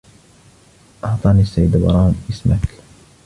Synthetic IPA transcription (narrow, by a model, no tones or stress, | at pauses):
ʔɑʕt̪ˤɑːnisːajːd̪bɑ̰ɾˤɑːnʔɪsmak